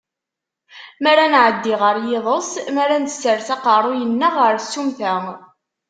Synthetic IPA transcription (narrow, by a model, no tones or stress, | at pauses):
mæɾanʕəd̪ːiʁəɾjeðˤəsˤmæɾænt̪ə̥sːəɾθɑqɑrˤujənːəʁəɾsːumθæ